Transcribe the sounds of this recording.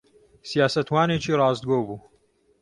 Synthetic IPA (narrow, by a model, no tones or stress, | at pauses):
sijaːsɐt̪waːneːt͡ʃiːrɑːzd̪ɡobuː